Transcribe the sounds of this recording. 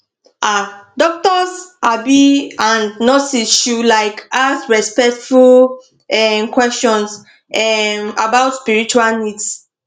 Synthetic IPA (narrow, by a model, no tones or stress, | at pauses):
ʔadɔk̚tɔsabiãnnɔsisʃulaɪkasɹɛspɛk̚tful | ɛmkwɛstɔ̃ns | ɛmabaʊtspiɹit͡ʃualnids